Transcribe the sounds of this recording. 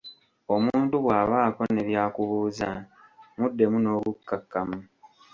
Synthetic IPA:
o̞muːntuβwaːβaːko̞ne̞βjaːkuβuːzamudːe̞muno̞ːβukːakːamu

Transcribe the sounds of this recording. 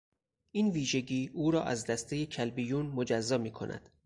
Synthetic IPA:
ʔiːnviːʒe̞ɟiːuːɾɒːʔæzd̪æst̪ʰejecʰælbijuːnmod͡ʒæzːɒːmiːkʰo̞̰nʔæ̰d̪̥

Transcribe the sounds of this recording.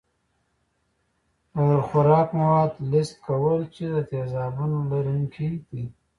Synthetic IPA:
aɾxʊɾɑːkmawɑːd̪lɪst̪̚kawəlt͡ʃed̪ət̪ezɑːbunolaɾuŋkʰid̪i

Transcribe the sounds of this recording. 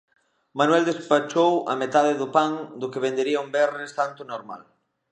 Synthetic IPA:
manwɛld̪espat͡ʃowɐ̰met̪aðɪðʊpaŋd̪ʊkɪβend̪eɾiɐʊmbɛrɪst̪ant̪ʊnoɾma̰l

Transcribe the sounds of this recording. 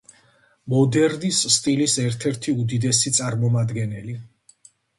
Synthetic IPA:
mɔd̪ɛɾd̪isːt̪ʼilisɛɾt̪ʰɛɾt̪ʰiud̪id̪ɛsit̪sʼaɾmɔmad̪ɡɛnɛli

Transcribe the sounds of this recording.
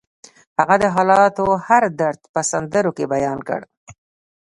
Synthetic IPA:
haɣad̪əɦɑlɑt̪ohaɾd̪aɾt̪pəsand̪əɾokebajɑnkə̰ɽ

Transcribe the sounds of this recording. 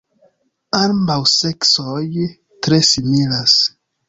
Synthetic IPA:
ambawseksoj | tɾe̞similas

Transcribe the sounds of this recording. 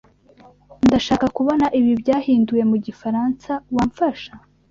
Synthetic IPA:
ndaʃaːkakuβo̞naʔiβibɟaːhiːnduje̞muɟifaɾansawaɱfaʃa

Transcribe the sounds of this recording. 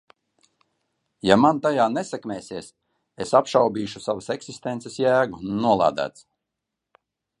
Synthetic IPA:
jamant̪ajaːnesɛkmʲɛːsiɛs | esapʃawbʲiːʃusavaseksist̪ensesjæːɡunuɔlˠa̰ːd̪æ̰ːt̪s

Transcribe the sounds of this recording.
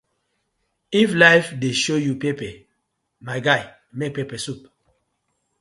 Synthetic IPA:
iflaɪfdeʃojupepɛ | maɪɡaɪ | mek̚pepɛsup

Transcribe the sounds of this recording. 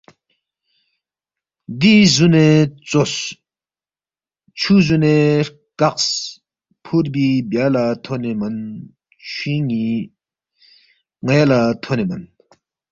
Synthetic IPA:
d̪izunet͡sos | t͡ɕʰuːzune | kaʔs | pʰurp̬ibalat̪ʰonemən | t͡ɕʰiŋi | ŋajalat̪ʰonemən

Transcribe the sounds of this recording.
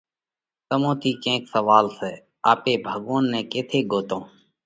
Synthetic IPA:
t̪əmõːt̪ʰiːkẽːksəʋaːlseː | aːpeːbʱəɠõːnːɛ̃ːkeːt̪ʰeːɡʱoːt̪õː

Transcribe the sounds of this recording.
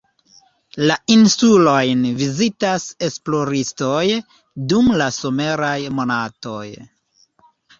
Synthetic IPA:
lainsulo̞jnvizitase̞splo̞ɾisto̞j | dumlaso̞me̞ɾajmo̞nato̞̰j

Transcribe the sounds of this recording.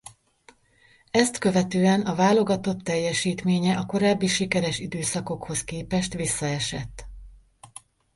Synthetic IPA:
ɛst̪kø̞vɛt̪øːɛnɒvaːlo̞ɡɒt̪o̞t̪ːɛjːɛʃiːt̪meːɲɛʔɒko̞ɾaːbːiʃikɛɾɛʃid̪øːsɒko̞kho̞skeːpɛʃt̪ʋisːɒɛʃɛt̪ː

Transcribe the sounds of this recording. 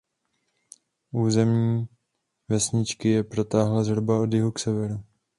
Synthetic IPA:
ʔuːzɛmɲiː | vɛsɲɪt͡ʃkɪjɛpɾo̞t̪aːɦlazɦɾobao̞d̪jɪɦuksɛvɛɾu

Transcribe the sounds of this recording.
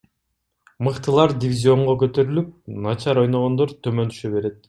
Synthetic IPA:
mɯqt̪ɯlˠɑɾd̪ʲɪvʲizʲio̞ɴʁokø̞t̪ø̞ɾylyp̚nɑt͡ʃɑɾo̞jno̞ʁo̞nd̪oɾt̪ʰømønt̪y̥ʃøβe̞ɾe̞t̪̚

